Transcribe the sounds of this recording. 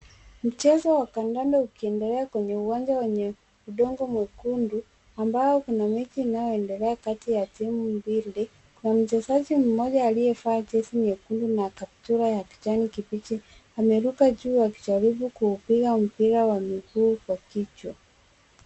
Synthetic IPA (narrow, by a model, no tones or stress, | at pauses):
m̩t͡ʃɛzɔwakandandaukiɛndɛlɛakwɛɲɛuwand͡ʒawɛɲɛ | uɗɔŋɡɔmwɛkundu | ambajɔkunamɛt͡ʃiːnajɔɛndɛlɛakatijatimumbili | kunam̩t͡ʃɛzaʄim̩mɔʄaːlijɛfaːt͡ʃɛsiɲɛkundunakaptuɾajaki̥t͡ʃanikipit͡ʃi | amɛɾukaʄuːjaki̥t͡ʃaɾiɓukuːpiɣam̩piɾawamikuːkwakit͡ʃwa